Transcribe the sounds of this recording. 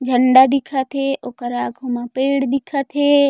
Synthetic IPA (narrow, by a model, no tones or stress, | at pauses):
d͡ʒʱəɳɖad̪ikʰat̪ʰeʔokəɾaːɡʱomãpeːɽd̪ikʰat̪ʰe